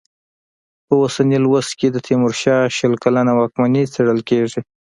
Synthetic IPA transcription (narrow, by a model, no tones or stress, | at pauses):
pəosanilwast̪ked̪ət̪ʰimʊɾʃɑʃəlkalanawɑkmanit͡seɽəlkeʐi